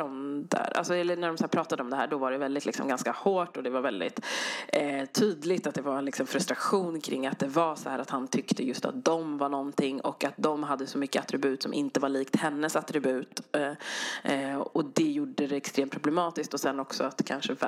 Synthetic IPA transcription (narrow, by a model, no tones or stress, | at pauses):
ɔnd̪ə̰ɾʔa̰lsɔɛlːənæɖɔmsæːɾpɾɑːt̪ad̪əɔmd̪ɛɦæːɖɔvaɖɛvɛld̪ɪt̪lɪksɔ̰mɡanskahoːʈːɔd̪ɛvaɾvɛld̪ɪ̰t̪ | t̪ʰːyːd̪lɪt̪at̪̚d̪ɛvaɾlɪksɔmfɾɵst̪ɾaɧuːnkʰɾɪ̰ŋːat̪̚d̪ɛvaɾsɔ̰hæːɾat̪hant̪ʰʏkt̪ʰəjɵst̪a̰t̪̚d̪ɔmvaɳɔnt̪ɪŋːɔ̰kːat̪̚d̪ɔmɦad̪ːəsɔmʏkːəat̪ɾɪbʉ̟ːt̪sɔmʔɪnt̪əvaliːkt̪hɛnːəsat̪ɾɪbʉ̟ːt̪ | ɔd̪ɛjuɖəd̪ɛɛkst̪ɾeːmt̪pʰɾʊblɛmɑːt̪ɪskt̪ɔsɛnːɔksɔat̪kʰanʂəv